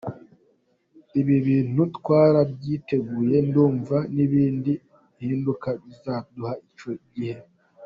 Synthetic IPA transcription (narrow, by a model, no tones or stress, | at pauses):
iβiβiːn̥utwaːɾabɟiːte̞ɡuːje̞nduːɱvaniβiːndi | hiːndukaβizaduhait͡ʃo̞ɟihe̞